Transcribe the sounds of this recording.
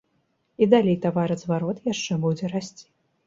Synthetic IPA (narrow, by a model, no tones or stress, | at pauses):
id̪alʲejt̪avaɾɨzvaɾɔt̪jaʂt͡ʂɛbud͡zʲɛɾasʲt͡sʲi̥